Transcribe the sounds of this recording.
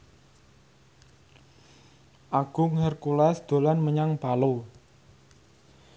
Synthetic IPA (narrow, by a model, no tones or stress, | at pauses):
ʔaɡ̥ʊŋhɛrkulɛsd̪̥o̤lanməɲaŋpalo